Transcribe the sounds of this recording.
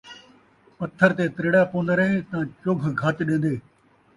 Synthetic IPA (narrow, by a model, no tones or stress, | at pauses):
pɐt̪ʰːəɾt̪et̪ɾɪːɽapoːnd̪əɾẽt̪ãːt͡ʃʊɡʱɡʱɐt̪ɗẽːn̆d̪eː